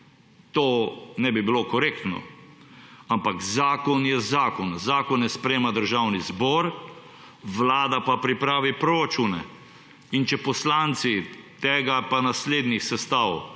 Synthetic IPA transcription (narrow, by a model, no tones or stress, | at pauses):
t̪oːnɛbibilokɔɾekt̪nɔ̰ | ampakzaːkɔnjɛzaːkɔnzaːkɔnjɛspɾɛjeːmad̪əɾʒawnizbɔːɾ | ʋlaːd̪apapɾipɾaːʋipɾoɾat͡ʃuːnɛ | int͡ʃɛpɔslant̪sit̪eːɡapanasleːd̪nisɛst̪aːw